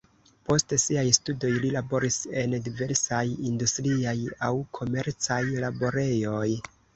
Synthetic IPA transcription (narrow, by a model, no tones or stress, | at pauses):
po̞stsiajstudo̞jlilabo̞ɾise̞ndive̞ɾsajindustɾiajawkʰo̞me̞ɾt͡sajlabo̞ɾe̞jo̞j